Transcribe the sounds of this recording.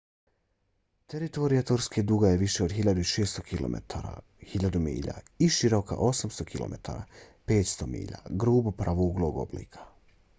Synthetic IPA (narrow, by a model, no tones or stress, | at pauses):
t̪e̞ɾit̪o̞ɾijat̪oɾsked̪uɡajeʋiʃe̞od̪xiʎad̪uiʃe̞ːst̪o̞kʰilo̰mʔḛt̪ʰaɾa̰ | hiʎad̪umḭːʎa̰ | iʃiɾo̞ka̰ʔo̞samst̪okʰilˠo̞̰me̞t̪ʰa̰ːɾa̰peːt̪st̪o̞mḭːʎa̰ɡɾuːbupɾaʋuːɡlˠo̞ɡo̞̰blḭːkʰḁ